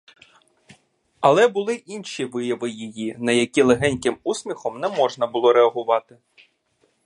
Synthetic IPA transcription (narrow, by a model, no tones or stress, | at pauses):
ɐlˠɛbʊlˠɪʔinʲʃʲiʋɪjɐʋɪjijinɐjɐkʲilˠeɦɛnʲkɪmusʲmʲixɔmnɛmɔʒnɐbʊlˠɔɾeɐɦʊʋɑt̪ɪ